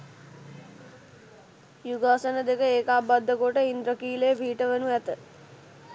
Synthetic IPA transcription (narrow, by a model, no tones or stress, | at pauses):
juɡaːsənəd̪ekəeːkaːbad̪ʱːəkoʈəind̪ɾəkiːleːbʱiːʈəʋənuæt̪ə